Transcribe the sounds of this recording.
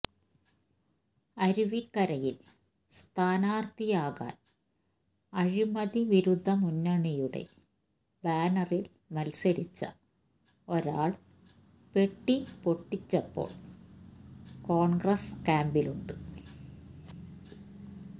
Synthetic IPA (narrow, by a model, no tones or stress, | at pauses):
ɐɾuʋikːɐɾɐjil | st̪ʰaːnaːrt̪ijaːɣa̰ːn | ɐɻimɐðiʋiɾud̪ʱːɐmunːɐɳijuɽḛ | baːnɐril | mɐlsɐɾit͡ɕːɐ̰ | o̞ɾaːɭ | pe̞ʈːipo̞ʈːit͡ɕːɐpːo̰ːɭ | ko̞ːɳɡrɐskaːmbiluɳɖɨ